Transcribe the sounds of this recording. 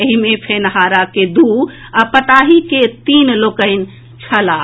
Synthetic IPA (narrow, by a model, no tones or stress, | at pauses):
əɦimepʰenɦaɾaked̪u | apət̪aɦiket̪inlokəɪn | t͡ʃʰəla